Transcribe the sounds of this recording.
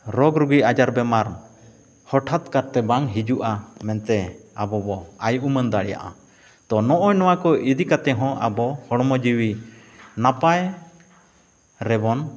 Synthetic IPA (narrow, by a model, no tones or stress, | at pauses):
ɾɔɡɾuɡiʔad͡ʒaɾbɛmaɾ | hɔʈʰat̪kaɾt̪ɛbaŋɦid͡ʒuʔamɛnt̪ɛabɔbɔajʔumənd̪aɽja̰ʔa̰ | t̪ɔnɔʔɔjnɔwakɔʔid̪ikat̪ɛɦɔ̃ʔabɔhɔɽmɔd͡ʒiwi | napaj | ɾɛbɔn